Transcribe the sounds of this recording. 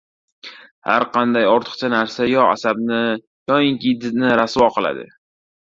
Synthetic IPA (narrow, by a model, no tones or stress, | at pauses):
ha̰ɾqʰɑnd̪ajɒɾt̪ʰɨ̥qt͡ʃʰanaɾsajɒa̰sabnɪ | jɒɪŋkʲid̪ɪt̪nɪɾaswɒqʰɨlˠa̰d̪ɪ̰